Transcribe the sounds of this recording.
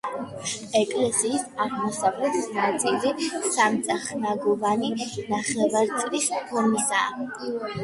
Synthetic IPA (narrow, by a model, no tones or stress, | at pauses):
ɛkʼlɛsiːsaʁmɔsavlɛt̪ʰisnat̪sʼilisamt̪sʼaχnaɡɔvaninaχɛvaɾt̪sʼlispʰɔɾmisa